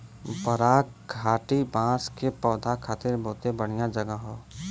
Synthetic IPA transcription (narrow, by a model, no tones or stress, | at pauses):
bəɾaːkɡʱaːʈibãːskepɔːd̪ʱakʰaːt̪ɪɾboːt̪ebəɽ̤̃ijad͡ʒəɡəɦoː